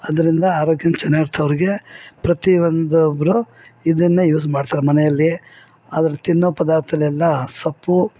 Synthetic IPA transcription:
ɐd̪ɐɾind̪ɐaːɾoːɡjɐnt͡ʃɛnaɾt̪ʰːɐʋɐɾiɡe̞pɾɐt̪iʋond̪ubɾu | id̪ɐnːejuːsmaːɖt̪aːɾɐmɐnɛjɐlːi | a̰ːd̪ɐɾɐt̪inːupɐd̪aːɾt̪ʰɐnɐlɛlːɐsɐpːu

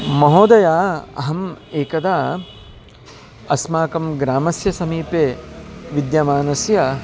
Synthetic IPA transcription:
mɐɦoːd̪ɐjaːɐ̰ɦɐmeːkɐd̪aː | ɐsmaːkɐmɡɾaːmɐsjɐsɐmiːpeːʋid̪jɐmaːnɐsjɐ

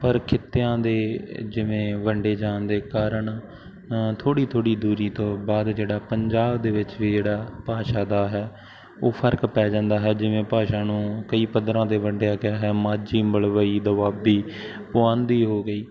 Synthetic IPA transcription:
pəɾkʰɪt̪ːejãːd̪eːd͡ʒɪʋẽːʋəɳɖeːd͡ʒãːnd̪eːkaːɾəɳ | t̪ʰoːɽiːt̪ʰoːɽiːd̪uːɾiːt̪õːbaːd̪d͡ʒeːɽaːpəɲd͡ʒaːbd̪eːʋɪt͡ʃʋiːd͡ʒeːɽaːpaːʃaːd̪aːɦɛː | oːpʰəɾkpɛːd͡ʒãːnd̪aːɦɛːd͡ʒɪʋẽːpaːʃaːnũːkəiːpəd̪ɾãːd̪eːʋəɳɖejaːkɪaːɦɛːmaːd͡ʒiːməɭʋəiːd̪əʋaːbiː | pʊãːnd̪iːɦoːɡəiː

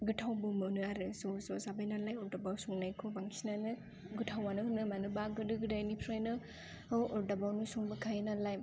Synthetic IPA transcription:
ɡɯtʰawbɯmɯnɯaɾɯzozozabajnalajɔɾdabawsuŋnajkʰobaŋsinanɯ | ɡɯtʰawanɯhɯnːɯmanɯbaɡɯdɯɡɯdajnipʰɾajnɯ | ɔʔɔɾdabawnusuŋbɯkʰajnalajm

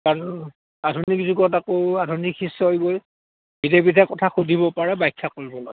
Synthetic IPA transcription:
kaɹ | adʱunikzuɡɔtakoadʱunikʰhisːɔjboj | bidepitʰɛkɔtʰaxudʱibɔpaɹɛbajkʰːakoɹibɔlɔɡ

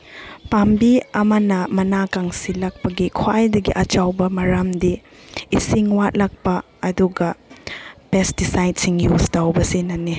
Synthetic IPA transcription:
pambiɐmɐnɐmɐnakaŋsilɐk̚pɐɡikʰwajdɐɡiʔɐt͡ʃawbɐmɐɾamdiː | siŋwat̚lɐk̚pɐ | ɐduɡɐ | pestisajdsiŋjustawbɐsinɐni

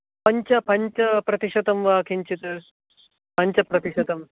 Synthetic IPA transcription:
pɐɲt͡ʃɐpɐɲt͡ʃɐpɾɐt̪iʂɐt̪ɐmʋaːkʰiɲt͡ʃit̪ɐɾ | pɐɲt͡ʃɐpɾɐt̪iʃɐd̪ɐm

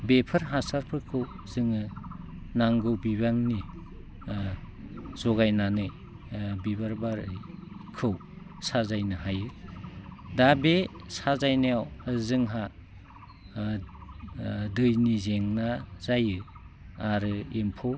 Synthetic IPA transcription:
bepʰɯɾɦasaɾpʰɯkʰɯw | zɯŋɯ | naŋɡɯwbibaŋni | z̥ɔɡajnanɯj | bibaɾbaɾɯjkʰɯw | sazajnɯɦajɯ | dabesazajnajawzɯŋɦa | dɯjnizeŋnaz̥ajɯ | aɾɯimpʰɯw

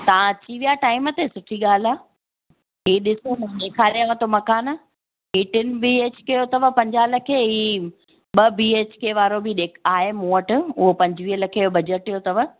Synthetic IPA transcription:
t̪ɐʋãt͡ɕiʋijaʈaːɪmət̪esʊʈʰiɠaːl̤aː | ɦiːɗɪsomɐeːkʰaːlijaʋãt̪omɐkaːna | ɦiːʈɪnɪ̆bieːt͡ɕkɐjot̪ɐʋəpɐ̃ɲd͡ʑaːlɐkʰeɦiː | ɓɐbiːeːt͡ɕkeʋaːɾobʱɪɗeːkʰaːɦemũːəʈɪʊɦopɐ̃ɲd͡ʑɪʋiːɦəlɐkʰeobɐd͡ʑəʈijot̪ɐʋə

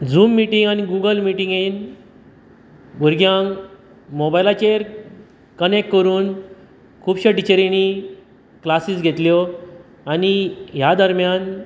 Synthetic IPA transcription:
d͡zuːmːiʈiŋɡaniɡuɡəlmiʈĩŋɡen | ɡuɾɡjãŋ | mobajlat͡ɕeɾ | kənekkːəɾuːn | kʰuːbɕəʈit͡ɕəɾini | klasiːsɡʱet̪ljɔ | aniɦjad̪əɾmjan

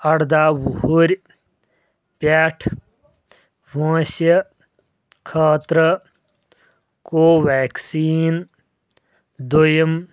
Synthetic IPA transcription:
ɐɽd̪aːwuhuɾʲ | paːʈʰ | ʋãːsə | kʰaːt̪ɾə | koːʋɛːksiːn | d̪ojəm

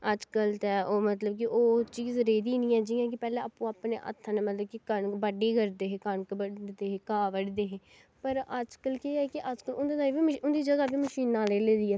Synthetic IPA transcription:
əd͡ʒkəlt̪ɛoːmət̪ləbk̬ɪʔoːt͡ʃiːzɾeːd̪iːnĩːɛːd͡ʒiːãːk̬ɪpɛːlɛ̃ːaːpũːaːpnḛːʔə̰t̪ʰːãːnẽːmət̪ləb̚kɪkəɳkbəɖiːkəɾd̪eːɦeːkənkbəd̪eːɦeːkaːʋəɖd̪eːɦeː | pəɾəd͡ʒkəlkeːɛːkɪʔəd͡ʒkəlʊnd̪eːd̪abiːməʊnd̪iːd͡ʒəɡaːbiːməʃiːnːãːleːleːd̪iːɛː

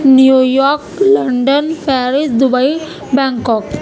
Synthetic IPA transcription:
njujɔːɾklɐɳɖɐnpʰɛːɾisd̪ubɐj | baːŋkɔːk

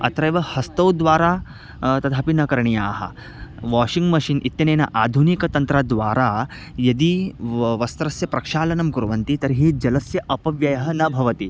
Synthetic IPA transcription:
ɐ̰t̪ɾɐjʋɐhɐst̪ɐwd̪ʋaːɾa | t̪ɐd̪ʰʱaːpinɐkɐɾɳijaːɦɐ̰ | ʋaːʂiŋɡmɐʂiːnʔit̪jɐneːna̰ʔaːd̪ʱunikɐt̪ɐnt̪ɾad̪ʋaːɾa | jɐd̪iːʋɐst̪ɾɐsjɐpɾɐkʂaːlɐnɐmkuɾʋɐnt̪it̪ɐɾɦiːd͡ʒɐlɐsjɐʔɐpɐʋjɐjɐɦɐnɐbʱɐʋɐt̪iː

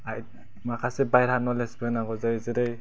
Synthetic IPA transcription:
aj | makʰasebajɾanɔlesbɯnaɡɔzazɯɾɯj

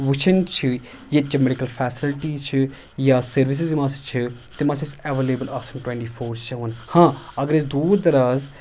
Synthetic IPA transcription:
ʋʊt͡ʃʰənt͡ʃʰɨ | jet͡ʃəmeɖɪkəlpʰɛːsɪlʈiːt͡ʃʰɨ | jaːsəɾʋɪs̬ɪzmãːst͡ʃʰɨt̪eːmãːsɪsɛːʋeːleːbəlaːsəmʈwɛ̃ːɳʈiːpʰoːɾt͡ʃʰaʋənhãːəɡəɾɪsd̪uːɾd̪əɾaːz

